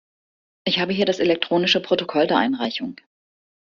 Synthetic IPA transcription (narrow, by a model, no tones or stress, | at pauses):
ʔɪçhaːbəɦiːɐɾaselɛk̚tʁ̥oːnɪʃəpʁ̥otokʰɔldeːɐʔaɪnʁaɪçʊŋ